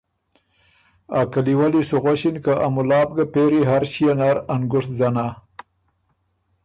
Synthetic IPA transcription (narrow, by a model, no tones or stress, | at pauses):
akaliwalisuɣaɕinkaʔamulɑːb̚ɡapeɾiɦaɾɕijanaɾanɡʊʂt̪̚zana